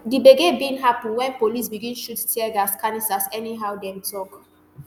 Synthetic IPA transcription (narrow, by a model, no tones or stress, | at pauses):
dibeɡebĩnɦapĩnwɛ̃npolisbiɡĩnʃuttʰiɛɡaskanisasɛniɦaʊwdɛ̃mtʰɔk